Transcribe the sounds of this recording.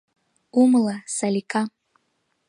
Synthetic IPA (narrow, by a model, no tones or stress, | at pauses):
umlasalikʼa